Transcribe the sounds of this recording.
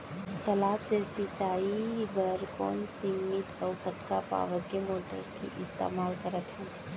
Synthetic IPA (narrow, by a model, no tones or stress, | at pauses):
t̪əlaːpsesɪt͡ʃaːibəɾkɔ̰ːnsɪŋmit̪ʰɔʊpʰət̪kapa̰ːʋəɾkemoːʈə̰ɾkḭʔɪst̪ḛːmaːlkəɾət̪ɦɛ̃ː